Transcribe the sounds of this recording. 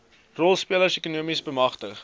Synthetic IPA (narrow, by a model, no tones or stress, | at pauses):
rɔlˠspiələrsekunuəmisbəmɐχtəχ